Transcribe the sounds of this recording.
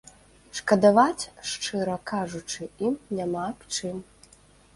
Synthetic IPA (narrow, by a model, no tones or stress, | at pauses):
ʂkɐd̪avat͡sʲʂt͡ʂɨɾɐkʰaʐut͡ʂɨimnʲamapt͡ʂɨm